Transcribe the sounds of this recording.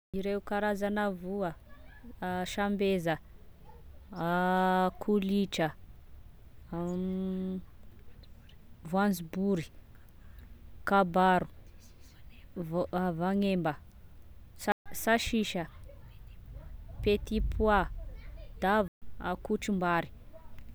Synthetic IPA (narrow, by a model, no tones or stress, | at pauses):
iɾeukaɾazanavuə | ʃambezə | akʰuliʈ͡ʂə | vuand͡zibuɾi̥ | kabaɾu̥ | vavaŋembə | ssaʃiʃə | pet̪ipʰwa | d̪̥avakuʈ͡ʂimbaɾi̥